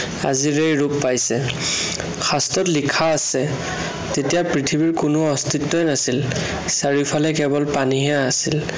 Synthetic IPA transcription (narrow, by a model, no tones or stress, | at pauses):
a̰ziɹejɹupːajsɛ | xʰastɔtlikʰaːsɛ | tetijapɹitʰibiɹkʊnʊɔstitːɔjnasil | saɹifʰalɛkɛbɔlpaniɦɛaːsil